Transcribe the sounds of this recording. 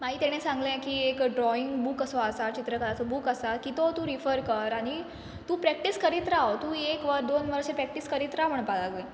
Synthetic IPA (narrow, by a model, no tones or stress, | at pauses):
maɦit̪ɛɽ̃ẽsãŋɡlẽkiekɖɾɔiŋɡbukəsɔasat̪̚t͡ɕit̪ɾəkəɾasobukəsat̪kit̪ot̪ũɾifəɾkəɾaɽ̃i | t̪ũːpɾɛk̚ʈiskəɾit̪ɾawot̪ũːekʋəɾd̪onʋəɾɕepɾɛk̚ʈiskəɾit̪ɾam̤əɳpalaɡe